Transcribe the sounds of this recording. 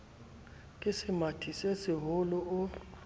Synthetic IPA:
kʼisɪmatʰisesiɦʊlɔʊ

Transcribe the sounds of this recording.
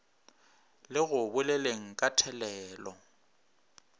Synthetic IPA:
lɪɣʊbʊleleŋ̩kʼatʰɛlɛːlɔ

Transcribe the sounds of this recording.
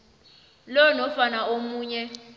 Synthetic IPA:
lɔnɔfanaomuːɲɛ

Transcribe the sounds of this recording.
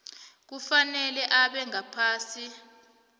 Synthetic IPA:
k̬ufanɛlɛʔaɓɛŋapʰaːsi

